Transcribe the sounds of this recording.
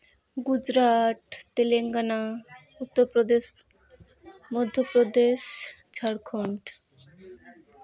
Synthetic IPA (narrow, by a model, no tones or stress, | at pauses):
ɡud͡ʑɾaʈ̪t̪eleŋɡana | ut̪ːoɾpɾod̪eʃ | mod̪ʱːopɾod̪eʃt͡ɕʰaɽkʰoɳʈ